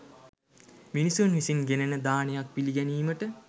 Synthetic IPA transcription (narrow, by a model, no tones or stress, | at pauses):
minisunʋisinɡenənəd̪aːnejak̚piliɡɛniːməʈə